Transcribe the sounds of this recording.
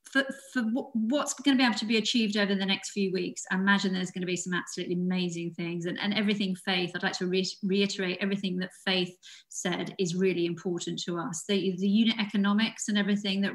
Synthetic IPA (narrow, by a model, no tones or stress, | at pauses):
fəfəwwɒtsɡ̥ʌñəbieɪbl̩ˠtʰəbiɨt͡ʃʰiːvdəʊvə˞ɨ̃nðənɛkstfjʉːwiˑksaɪɪmad͡ʒɪ̃nðəzɡʌnəbisʌ̃mab̥səlʉˑʔliəmeɪzɪ̃ŋθɪ̃ŋzɨ̃nʔə̰̃nɛvɹiθɪ̃ŋfeɪθaɪdˡlaɪktʰəɹiɹiɪtəɹeɪtɛvɹiθɪ̃ŋðətfeɪθsɛdɪzɹɪəliɪ̃mpʰɔˑʔn̩tʰəʌsðɨðɨjʉːnɪʔɛkənɒmɪksə̃nɛvɹiθɪ̃ŋðəʔ